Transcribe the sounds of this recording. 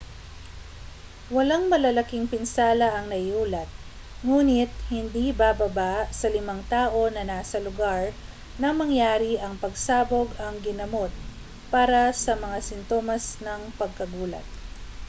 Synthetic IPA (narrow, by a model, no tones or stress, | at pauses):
wɐlaŋmɐlɐlɐkiŋpɪnsaːlɐʔɐŋnɐuːlɐt̪̚ | ŋuːnɪt̪̚hɪnd̪ibaːbɐbasɐlɪmaŋt̪aːʔo̞nɐnaːsɐlʊɡaɹ | nɐŋmɐŋjaːɾiʔɐŋpɐɡsaːboɡɐŋɡɪnɐmo̞t̪̚ | paːɾɐsɐmɐŋasɪnt̪o̞ːmɐsnɐŋpɐɡ̚kɐɡuːlɐ̰t̪̚